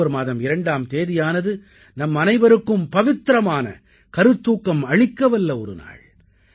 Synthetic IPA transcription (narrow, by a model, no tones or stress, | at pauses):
ɐɾmaːðɐmɪɾɐɳɖaːmt̪eːðɪjaːnɐðɯ | nɐmːɐnɐɪʋɐɾɯkːɯmpɐʋɪt̪ːɾɐmaːnɐ̰ | kɐɾɯt̪ːuːkːɐmɐɻɪkːɐʋɐlːɐɔɾɯ̰na̰ːɭ